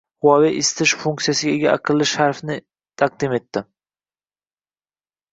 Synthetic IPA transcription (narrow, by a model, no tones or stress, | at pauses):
hʊwaveʔɪst̪ʰɪʃfuŋk̚t̪sijasɪɡʲaeɡʲaʔaqʰɨlːɪʃhaɾfnɪ | t̪ʰaq̚d̪ɪme̞t̪ːɪ